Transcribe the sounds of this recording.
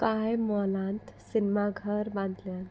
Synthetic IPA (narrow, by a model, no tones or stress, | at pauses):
kaːjmɔːlãːnt̪sinmaɡʱəɾbãːnd̪lan